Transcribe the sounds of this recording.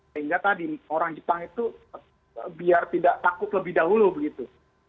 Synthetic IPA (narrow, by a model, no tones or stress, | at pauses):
səɦiŋɡat̪adioɾaŋd͡ʒəpaŋit̪u | biart̪idaʔt̪akʊt̪ləbɪhdaɦulubəɡit̪u